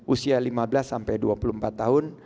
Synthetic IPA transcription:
ʔusialimabəlasːampajduapulumpat̪ːaɦʊn

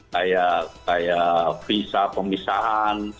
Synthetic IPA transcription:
kajakajafisapəmisaɦan

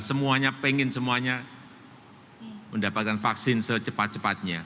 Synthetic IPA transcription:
səmuaɲapeŋɪnsəmuaɲa | məndapat̪̚kanfaksɪnsət͡ʃəpat̪̚t͡ʃəpat̪̚ɲa

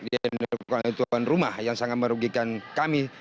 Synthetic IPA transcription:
dinkait̪uanrumahjaŋsaŋat̪̚məɾuɡikankami

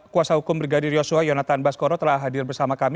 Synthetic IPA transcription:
kuasaɦukʊmbɾiɡadɪrjosuajonat̪anbaskoɾɔt̪əɾlaɦadɪrbərsamakam

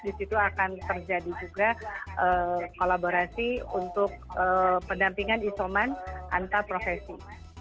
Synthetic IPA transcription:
disit̪uakant̪ərd͡ʒadid͡ʒuɡaʔəkolaboɾasiṵnt̪ʊk̚əpədampiŋanisomanʔa̰nt̪apɾofesi

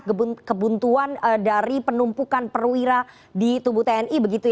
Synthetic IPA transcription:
əbkəbunt̪uanədaɾipənumpukanpərwiɾa | dit̪ubut̪eɛnibəɡit̪u

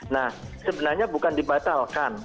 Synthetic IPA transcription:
nahsəbənarɲabukandibat̪alkan

